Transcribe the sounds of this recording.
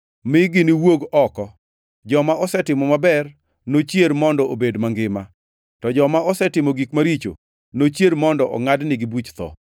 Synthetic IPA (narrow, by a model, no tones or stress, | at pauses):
mɪɡɪnɪwoɡɔkɔ | d͡ʒɔmaʔɔsɛtɪmɔmabɛr | not͡ʃjeɾmɔndɔobedmaŋɡɪma | tɔd͡ʒɔmaɔsɛtɪmɔɡikmaɾit͡ʃo̰ | not͡ʃjeɾmɔndɔʔɔ̰ŋadnɪɡɪbut͡ʃt̪ɔ̰